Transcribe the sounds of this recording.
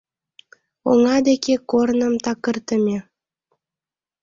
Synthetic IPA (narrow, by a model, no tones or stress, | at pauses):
oŋɑd̪ekekornə̆mt̪ɑkərt̪əmʲe